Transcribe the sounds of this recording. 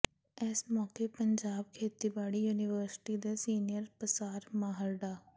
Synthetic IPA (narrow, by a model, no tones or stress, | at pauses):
esmɔːkepəɲd͡ʒaːb̚kʰeːt̪iːbaːɽiːjuːnɪʋəːɾsɪ̥ʈiːd̪eːsiːnɪjəɾpəsaːɾmaːɦəɾɖaː